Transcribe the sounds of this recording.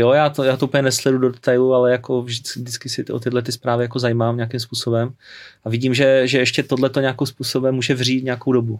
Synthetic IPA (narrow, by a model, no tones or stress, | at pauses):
jojaːt̪ojaːt̪oupəɲɛnɛslɛdudodɛt̪ajlualɛjako̞vʒdɪt͡skdɪt͡skɪsɪʔo̰t̪ɪdlɛt̪̬ɪspɾaːvɪjako̞zajimaːmɲɛakimspuːso̞bɛmavɪɟiːmʒɛʒɛɛʃcɛt̪odlɛt̪o̞ɲɛakɪmspuːsobɛmːuːʒɛvr̝iːt̪ɲɛako̞wdobu